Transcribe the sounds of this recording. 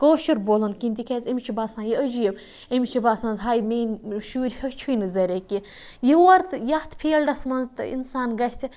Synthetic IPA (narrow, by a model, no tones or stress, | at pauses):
koːʃiɾbolɐnkint̪ʲikʲʰɛzemʲit͡ʃʰibaːsãːjiəd͡ʒijeb | emʲit͡ʃʰibaːsmɐnzɦajmeːnʲʃuːɾʲhət͡ʃʰujnɨzɐɾʲeki | jiwɐɾt̪jɐht̪ʰpʰeːlɖɐsmɐnzt̪ɨ̰ḭnsaːnɡɐhʲt͡sʰʲi